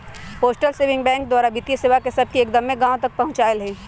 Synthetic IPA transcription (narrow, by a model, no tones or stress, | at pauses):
poːsʈəlseːʋɪ̃ŋɡbɛ̃ːŋk̚d̪waːɾabit̪iəseʋakesɐb̚ʱkieːkd̪ɐmːẽɡãːõt̪ɐk̚pɐɦʊ̃t͡ʃaːɪlɦɛ̃ː